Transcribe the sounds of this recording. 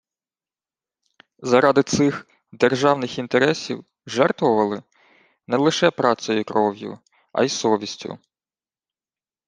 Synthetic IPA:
zɐɾɑd̪ɪt̪sɪx | d̪erʒɑwnɪxint̪eɾɛsʲiw | ʒɛrt̪ʋɔʋɐlˠɪ | nɛlˠɪʃɛpɾɑt̪sɔjʊkɾɔwjʊ̰ | ʔɐ̰jsɔʋʲisʲtʲʊ̰

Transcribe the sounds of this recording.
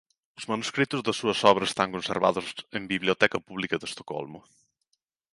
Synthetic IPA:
uzmɐnuskɾit̪uzðɐsuɐsɔβɾɐse̥st̪aŋkunseɾβa̰ðuzembiβliut̪ɛkɐpuβlikɐðəst̪o̥kɔ̰lˠmu

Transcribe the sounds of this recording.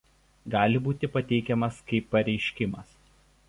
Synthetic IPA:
ɡɑːlʲɪbuːt̪ʲɪpɐt̪ʲɛɪkʲɛmɐskɐɪpːɐɾʲɛɪʃʲkʲɪmɐs

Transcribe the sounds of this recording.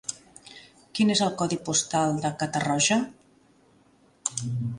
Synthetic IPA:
kinezəlˠkɔðipust̪alˠd̪əkət̪ərɔʒə

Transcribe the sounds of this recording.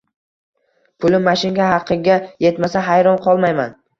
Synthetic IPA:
pʰʊlɪmaʃɪnɡʲahɑqʰːɨɡʲaje̞t̪masaɦajɾɒnqʰɒlˠmajman

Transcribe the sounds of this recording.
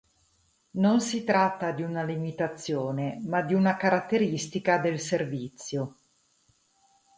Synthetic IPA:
nonsit̪ɾat̪ːad̪iunalimit̪at̪sːjoːnemad̪iunakaɾat̪ːeɾist̪ikad̪elservit̪sːjo

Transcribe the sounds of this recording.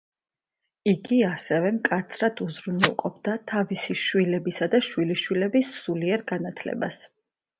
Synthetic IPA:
iɡiasɛvɛmkʼat̪sʰɾad̪̥uzɾunɛlˠqʼɔb̚d̪at̪ʰavisiʃwilɛbisad̪aʃwiliʃwilɛbisːuliɛɾɡanat̪ʰlɛ̰ba̰s

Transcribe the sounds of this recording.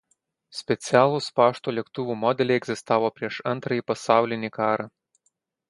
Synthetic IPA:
sʲpʲɛsʲijalˠuspaʂt̪ulʲɛkt̪uvumɔd̪ɛlʲiɛɡzɨst̪avɔpɾʲɛʂant̪ɾɨjipɐst̪awlʲɛnʲikaɾɨ

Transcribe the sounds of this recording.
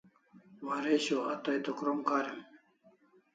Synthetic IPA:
waɾeːɕoɐt̪ɐjt̪okɾomkaːɾem

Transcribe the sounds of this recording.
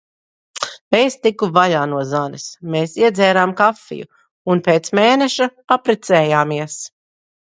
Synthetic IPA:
ejst̪ikːuvaʎaːnuɔzanḭsmeːsiɛd̪zɛːɾaːmkafːḭjṵ | unpeːt̪smeːneʃaapɾɛt̪sɛːjaːmiɛs

